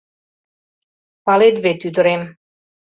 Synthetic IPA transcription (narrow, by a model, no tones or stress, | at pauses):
paled̪vet̪yd̪ɾem